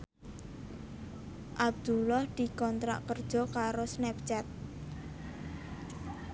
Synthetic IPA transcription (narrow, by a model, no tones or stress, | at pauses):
ʔab̚d̪̥ulɔhd̪̥i̤kɔnt̪ɾa̰ʔkərd̥ʒ̥ɔ̤kaɾosnɛp̚t͡ʃɛt̪̚